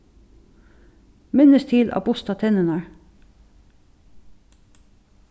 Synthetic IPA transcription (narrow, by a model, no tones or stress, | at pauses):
mɪnəst̪ʰiːlʔɑ̰ːbʊst̪ɑt̪ʰɛnənɑɹ